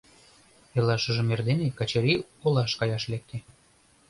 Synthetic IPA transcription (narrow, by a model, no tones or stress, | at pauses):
elɑʃə̆ʒĕmerd̪enekɑt͡ɕeɾiolɑʃkɑjɑʃlek̚t̪e